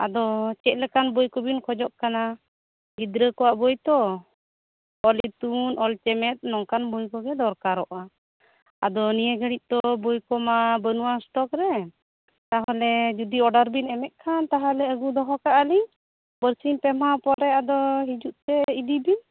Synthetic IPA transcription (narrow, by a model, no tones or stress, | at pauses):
a̰d̪ɔt͡ʃɛc̪̚ˀlɛkanbɔjkɔbinkʰɔd͡ʒɔʔ̚kana | ɡid̪ɾəkɔwaʔbɔjt̪ɔ | ɔlit̪unʔɔlt͡ʃɛmɛt̪̚nɔŋkanbɔjkɔɡɛd̪ɔɾkaɾɔʔa | a̰d̪ɔnijeɡəɽit̪̚ˀt̪ɔbɔjkɔmabənuwasʈɔkɾɛ | t̪aɦɔlɛd͡ʒud̪iɔɖaɾbinɛmɛt̪̚kʰant̪aɦalɛəɡud̪ɔɦɔkaʔəliŋ | bəɾsimpɛmapɔɾɛad̪ɔɦid͡ʒuʔ̚t̪ɛid̪ibin